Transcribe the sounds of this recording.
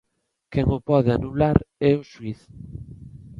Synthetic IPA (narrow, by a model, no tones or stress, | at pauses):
kɛŋʊpɔðɪanulaɾɛʊʃwiθ